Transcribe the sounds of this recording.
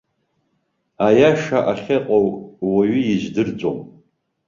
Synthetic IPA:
ajaʂaʔaχʲeqʼowʼwaɥʏjiʒdɨrd͡zʷo̰m

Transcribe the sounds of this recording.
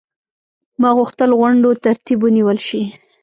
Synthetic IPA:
mɑɣʊxt̪əlɣaɳɖot̪aɾt̪ibwəniwəlʃi

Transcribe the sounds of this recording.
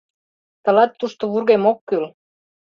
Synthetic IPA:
t̪ə̆lɑt̪ːuʃt̪oβurɣemokːyl

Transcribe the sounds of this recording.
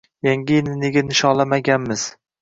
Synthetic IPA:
jaŋɡʲɪnɪneɡʲanɪʃɒlˠamaɡʲanmɪz̥

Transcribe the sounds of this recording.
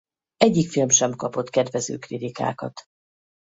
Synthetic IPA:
ɛɟːikfilmʃɛmkɒpo̞t̪kɛd̪vɛzø̰ːkrit̪ika̰ːkɒ̰t̪

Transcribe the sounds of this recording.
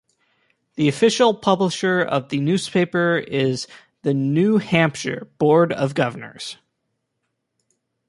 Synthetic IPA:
ðiɨfɪʃl̩ˠpʰʌbləʃə˞ʌ̰vðɨnʉz̥pʰeɪpə˞ɪz | ðɨnʉhæ̃mpʃə̰˞b̥ɔɹɾʌvɡʌvə˞nə̰˞z̥

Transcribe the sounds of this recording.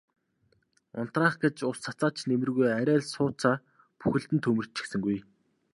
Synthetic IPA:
ʊ̰n̥t̪raːχɡet͡ɕʊst͡sat͡saːt͡ɕnemɘ̆rɣujæɾʲæːɮsʊːt͡sʰaː | puxɘ̆ɬt̪ɘ̆nt̪ʰɵmɘ̆r̥t͡ɕʰːĭ̥xsɘ̆ŋɡuj

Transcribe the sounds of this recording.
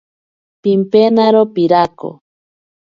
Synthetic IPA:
pimpenaɾopiɾako̰

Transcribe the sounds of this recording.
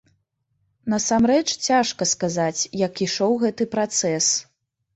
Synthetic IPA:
nɐsamɾɛt͡ʂt͡sʲaʂkɐskazat͡sʲjɐkiʂɔwɣɛt̪ɨpɾat̪sɛs

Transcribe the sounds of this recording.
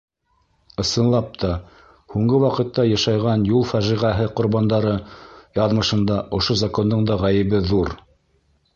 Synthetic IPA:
ɤ̆sɤ̆nlˠɑp̚t̪ʰɑ | huɴɡɤwɑqɤ̆t̪ːɑjɑʃɑjʁɑnjulˠfæʒiʁæɦɘqŏɾβɑnd̪ɑɾɤjɑðmɤ̆ʃɤ̆nd̪ɑʔŏʃozako̞nd̪ɤɴd̪ɑʁæjɘ̆βɘðuɾ

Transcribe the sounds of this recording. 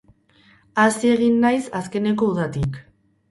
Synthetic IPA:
asie̞ɣ̞inːajsaske̞ne̞ko̞uðat̪ik

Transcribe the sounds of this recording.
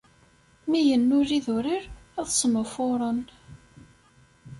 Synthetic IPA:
mijənːʊɾiðʊɾɪɾæðsəmʊfʊɾˤən

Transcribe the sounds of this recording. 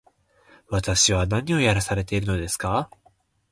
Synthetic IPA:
βat̪aɕiβanaɲ̟io̞jaɾasaɾe̞t̪e̞iɾɯ̟no̞d̪esɨ̥ka

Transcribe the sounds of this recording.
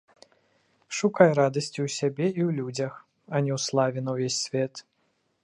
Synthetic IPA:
ʂukajrad̪ɐsʲt͡sʲiwsʲabʲɛiwlʲud͡zʲɐx | ɐnʲɛwslˠavʲɛnɐwvʲesʲːvʲɛt̪

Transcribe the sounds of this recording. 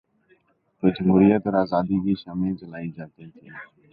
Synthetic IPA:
t̪od͡ʒəmɦuːɾijət̪ɔːɾaːzaːd̪iːkiːʃaːmẽt͡ʃəlaːiːd͡ʒaːt̪it̪ʰiː

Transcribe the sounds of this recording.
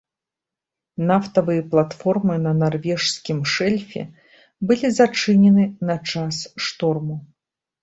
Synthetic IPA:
naft̪ɐvɨjɐplˠat̪fɔrmɨnɐnarvʲɛʂskʲimʂɛlʲfʲɛ̰ | bɨlʲizat͡ʂɨnʲɛnɨnɐt͡ʂasʂt̪ɔrmu

